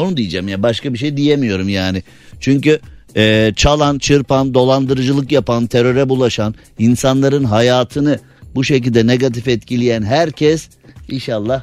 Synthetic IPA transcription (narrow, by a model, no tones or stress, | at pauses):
onud̪ijid͡ʒamjabaʃkabiʃ̬ejd̪ijemijo̞ɾumjaːnɪ | t͡ʃʰyɲcy | ɛːt͡ʃʰalˠant͡ʃʰɯɾpand̪o̞lˠand̪ɯɾɯd͡ʒɯlˠɯkjapant̪ʰeɾø̞ɾɛbulˠaʃan | insanlˠaɾɯnɦajaːt̪ʰɯnɯ | buʃec̬ilʲd̪ɛneɡat̪̬ifɛt̪cʰilʲijænɦæɾcʰɛs | inʃalˠːah